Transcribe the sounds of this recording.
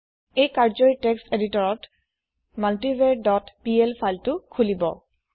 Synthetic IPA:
ejkaɹzɔiteksteditɔɹɔt | maltibedɔtpielpʰajltʊkʰulibɔ̰

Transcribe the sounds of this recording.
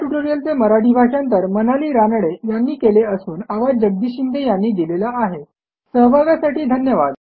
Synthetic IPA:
ʈuʈoɾijənt͡seməɾaʈʰiːbʱaɕjant̪əɾmənaliːɾanɽejanːiːkeleəsuːnaʋad͡ʑəɡ̚d̪iːɕind̪ʱejanːiːd̪ilelaːɦe | səɦbʱaɡjasaʈiːd̪ʱənjəʋa̰d̪

